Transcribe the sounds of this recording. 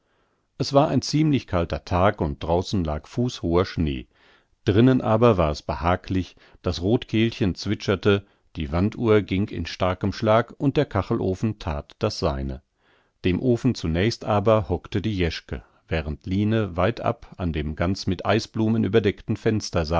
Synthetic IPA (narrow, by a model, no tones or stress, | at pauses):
ʔɛsv̥aːɐʔaɪnt͡siːmlɪçkʰaltɐtʰaːkʊnt̚d̥ʁaʊsn̩la̰ːkfuːshoːɐʃnḛː | d̥ʁɪnənʔaːbɐvaːɐɛsb̥əhaːklɪç | d̥asʁoːtkʰeːlçənt͡sv̥ɪt͡ʃɐtə | d̥iːvantuːɐɡɪŋkɪ̰nʃtaɐkəmʃlaːkʔʊnt̚d̥eːɐkʰaχl̩ʔoːfn̩tʰa̰ːtd̥asz̥aɪnə̰ | d̥eːmʔoːfn̩t͡sunɛːçstʔaːbɐhɔktədiːjɛʃkə̰ | v̥ɛːʁəntʰliːnəvaɪtʰʔa̰pandeːmɡant͡smɪtʔaɪsb̥luːmənʔy̰ːbɐdɛktn̩fɛnstɐza